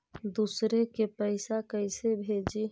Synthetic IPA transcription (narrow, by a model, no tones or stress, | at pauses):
d̪usɾekepəɪsakəɪsebʱed͡ʒi